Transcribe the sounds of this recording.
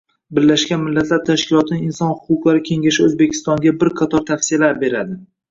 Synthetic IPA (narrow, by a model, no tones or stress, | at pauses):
bɪɾːaʃɡʲanmɪlːat̪ʰlaɾt̪ʰaʃkʲɪlˠɒt̪ʰɪnɪɪnsɒnhʊqʊqlˠaɾɪkʲʰe̞ŋɡʲaʃɪɵzbe̞kʲʰɪ̥st̪ɒŋɡʲabɪɾqʰɑt̪ʰɒɾt̪ʰafsijalaɾbe̞ɾad̪ɪ